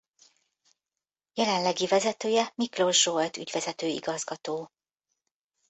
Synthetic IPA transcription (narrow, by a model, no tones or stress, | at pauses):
jɛlɛnlɛɡivɛzɛt̪øːjɛmiklo̞ʒʒolt̪y̰ɟvɛzɛt̪øːḭɡɒzɡɒt̪oː